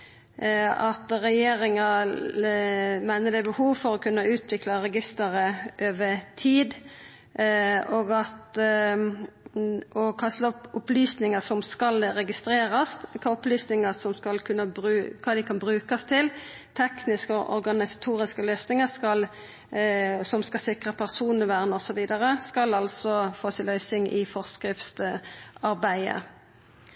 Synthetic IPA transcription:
ɑt̪ʁɛjeːɾɪŋə | mæɪnəd̪ɛbəhuːʋfɔɾɔkʰʉnːəʉːt̪ʋɪklɑɾɛɡɪst̪əɾəʔøːʋət̪ʰiːd̪ | oːɡɑt̪ | ɔkʰɑst̪ɑɔpʊplyːsnɪŋəsɔmskɑlɾɛɡɪst̪ɾeːɾɑskʰɑːʊplyːsnɪŋəsɔmskɑlkʰʉnːəbɾʉːkʰɑːd̪ɪkʰɑnbʁɾʉːkɑst̪ʰɪl | t̪ʰɛknɪskəɔʔɔ̰ʁɡɑnɪsɑ̥t̪ʰuːʁɪskəlœːsnɪŋəskɑl | sɔmskɑlsɪkʁəpʰæʁsuːnəʋæːʁnəɔsɔʋiːd̪ɑʁəskɑlɑlsɔfoːsɪlœʏsɪŋʔɪ̰fɔʁskɾɪft̪sɑʁbæɪə̰

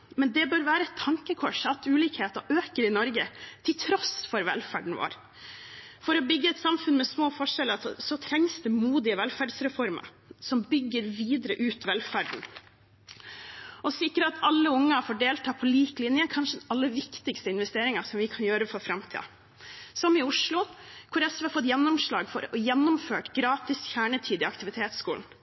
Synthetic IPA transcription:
mɛnd̪ɛbøːɾʋæːɾəɛt̪ʰːɑŋkəkʰɔʂɑt̪ʉːliːkheːt̪əʔøːkəɾɪnɔɾɡət̪ʰɪlt̪ʰɾɔsfɔɾʋɛ̰lfæ̰ːɖɳ̩ʋo̰ːɾ | fɔɾɔbʏɡːəɛt̪sɑmfʉnmɛsmoːfɔʂɛləɾsɔt̪ʰɾɛŋsd̪ʉmuːd̪ɪəʋɛlfæɖsɾɛfɔɾmə̰ɾ | sɔmbʏɡːəɾʋiːd̪əɾəʔʉːt̪ʋɛlfæːɖɳ̩ | ʔɔsɪkːəɾəɑt̪ʰɑlːəʊŋːəfoːɖeːlt̪ʰɑːpʰɔliːklɪnjəkʰɑnʂəɛɑlːəʋɪkt̪ɪkst̪əɪnʋɛst̪eːɾɪŋɑsɔmʋɪkʰɑnjøːɾəfɔɾfɾɑmt̪ʰḭːɑ̰ | sɔmɪʊʂlʊkʰʊɾɛsʋɑfɔt̪ːjɛnːʊmʂɭɑːɡfɔ̰ɾɔjɛnːʊmføːʈɡɾɑːt̪ɪsçæːɳət̪ʰiːd̪ɪɑkt̪ɪʋɪt̪ʰeːt̪skṵːln̩

